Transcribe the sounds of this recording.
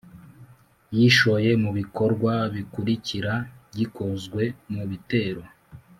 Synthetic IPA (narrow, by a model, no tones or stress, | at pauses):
jiʃo̞je̞muβiko̞ɾɡwaβikuɾiciɾaɟikuzɡwe̞muβite̞ːɾo̞